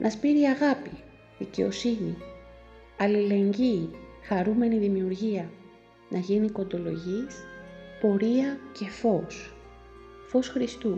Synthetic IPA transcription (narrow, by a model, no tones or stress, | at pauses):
nʔɐspiɾiɐɣɐpi | ðice̞̰o̞̰sini | ɐlile̞ɲɟixɐɾume̞niðimiuɾʝiɐ | nʔɐʝiniko̞nd̪o̞lo̞̰ʝispo̞ɾiɐce̞fo̞s | fo̞sxɾist̪u